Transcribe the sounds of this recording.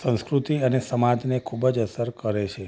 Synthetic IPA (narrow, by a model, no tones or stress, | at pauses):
sə̃skɾut̪iənesəmad͡ʒnekʰubəd͡ʒəsəɾkəɾet͡ʃʰe